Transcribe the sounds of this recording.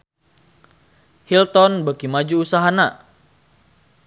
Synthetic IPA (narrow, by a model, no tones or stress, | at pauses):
hilt̪ɔnbakimad͡ʒuːsaɦana